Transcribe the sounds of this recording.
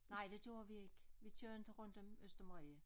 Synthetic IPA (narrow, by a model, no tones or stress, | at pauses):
nɑɪ̰d̥e̝ɡ̥jo̝ːɐʋie̝ɡ̥ʋit͡sʰjøɐnd̥əʁɔ̽n̰d̥ɒ̽møsd̥ɐmʁiə